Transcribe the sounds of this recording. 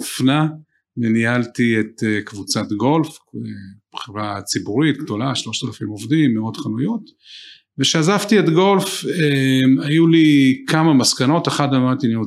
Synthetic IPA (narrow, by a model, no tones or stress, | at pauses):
fna | menialtiet̪ekvut͡sat̪ɡo̞lfebχivʁat͡sibuʁit̪̚ɡd̪o̞laʃlo̞ʃtalafimovdimːeotχanujut̪ | veʃeazaftietɡo̞lfemajulikamamaskano̞teχadamat̪inio